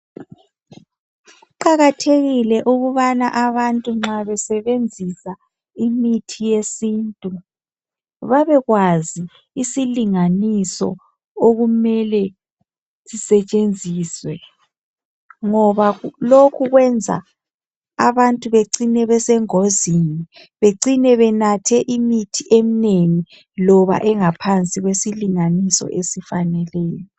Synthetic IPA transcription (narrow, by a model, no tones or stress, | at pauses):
ɣuǃaɣatʰeɣilɛʔuɣuβanaʔaβantʼuŋ͡ǁaβɛsɛβend͡zʱisa | imitʰijesiːntʼu | βaβɛɣwaziː | siliŋanisɔ̰ | oɣumɛlɛ | sisɛt͡ʃʼend͡zʱiːswɛ | ŋɔβalokʰuɣwɛnd͡zʱa̰ | a̰βantʼuβeǀinɛβɛsɛŋozini | βeǀinɛβɛnatʰɛʔimitʰiʔemineŋi | lɔβa̰ʔɛŋapʰant͡sʼiɣwesiliŋanisɔ̰ʔesifanɛlɛːjɔ